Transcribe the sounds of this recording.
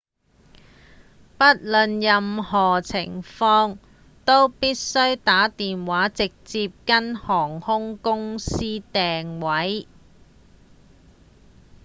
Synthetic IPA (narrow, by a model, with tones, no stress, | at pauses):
pɐ˥t̚lɵ˨njɐ˨mhɔː˨˩t͡sʰɪ̰˨˩ŋfɔː˧ŋ | t̪o˥wpiː˥t̚sɵ˥ɥt̪aː˨˥t̪iː˨nwaː˨˥t͡sɪ˨k̚t͡siː˧p̚kɐ˥nhɔː˨˩ŋhʊ˥ŋkʊ˥ŋsiː˥t̪ɛː˨ŋwɐ˨˥j